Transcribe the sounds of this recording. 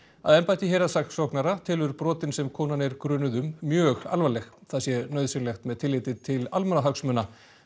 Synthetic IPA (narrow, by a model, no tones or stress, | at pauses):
a̰ðɛnpajt̪ɪçɛːjɾasaxt̪sɔwhknaɾat̪ʰɪːlʏɾpɾɔːt̪ɪnsɛmkʰɔːnanɛɾkɾʏːnʏðʏmːjœːɣa̰lvalɛxθaðsjɛnœːɥðsɪnlɛxt̪mɛðt̪ʰɪlːɪːt̪ɪt̪ʰɪlalmɛnaɦaksmœːna